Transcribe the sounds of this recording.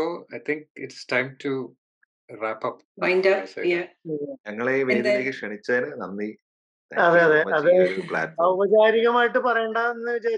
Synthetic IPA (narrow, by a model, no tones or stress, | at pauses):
soɐjt̪ʰiŋkɪʈstajmtʰu | ræːpɐp | majndɐsɐ̰jaɲɐŋːɐɭeʋeːd̪iɾikʲːɨkʂeɳit͡ɕːɐðɐnɨnɐ̰nːi | t̪ɐðeɐðeɐðepɭa̰ːtɐʋɐd͡ʑaːɾiɣɐmaːjiʈːɨpɐrɐjɳɖaenːɨʋid͡ʑaː